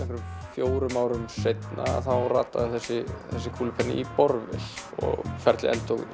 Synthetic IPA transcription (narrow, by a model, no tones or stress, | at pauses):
ɛfɾʏfjoːwɾʏmaːwɾʏmsejt̪na̰θawra̰ːt̪ːaðɪθɛsːɪθɛsːɪkʰuːlɪpʰɛnːɪ̰ipɔɾvɪ̰lɔ̰ɣfɛɾt̪lɪ̰ʔɛ̰lt̪ʰowɣʏ